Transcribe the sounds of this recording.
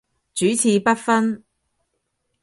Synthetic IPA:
t͡ʃyː˨˥t͡sʰiː˧pɐ˥t̚fɐ˥n

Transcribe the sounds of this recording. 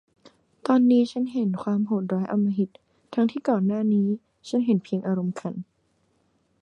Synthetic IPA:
t̪ɔː˧nːiː˦˥t͡ɕʰa˦˥nɦe˨˩˦nkʰwaː˧mhoː˨˩t̪̚ɾɔː˦˥jʔa˧mːa˧ɦi˨˩t̪̚ʰː | a˦˥ŋt̪ʰiː˥˩kɔː˨˩nːaː˥˩niː˦˥ | t͡ɕʰa˦˥nɦe˨˩˦npʰi˧əŋʔaː˧ɾo˧mkʰa˧n

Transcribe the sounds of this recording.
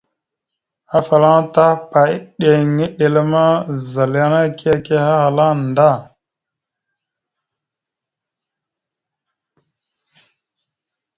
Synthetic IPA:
ha˦fa˨la˦ta˦pa˨i˦ɗe˨ŋi˦ɗe˨le˦ma˦za˨lja˦na˦ki˦a˦˨ke˦ha˦ha˨la˦nda˦˨

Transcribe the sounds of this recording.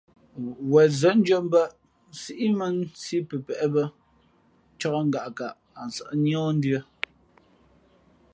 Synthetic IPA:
wɛ˨zə˨˦n̩˦d͡ʒɔ˦m˦bə˦ʔ | si˦ʔi˦mə˦nsi˦pə˨pɛ˨ʔbə˦ | t͡ʃɔ˦kə˦ŋ˨ɡa˨ʔka˨ʔ | a˨n˨sə̰˨ʔnjɔ˦n̩˦djə˦

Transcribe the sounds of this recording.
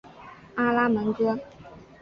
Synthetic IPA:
a˥la˥mə˧˥ntu˥

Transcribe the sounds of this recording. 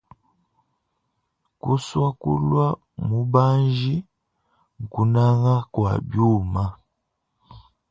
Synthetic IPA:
ku˦swa˦kṵ˦lwa˦ | mu˦ba˦nʒi˦ | ŋ̩˨ku˨na˦ŋa˦kwa̰˨bju˦˨ma˦

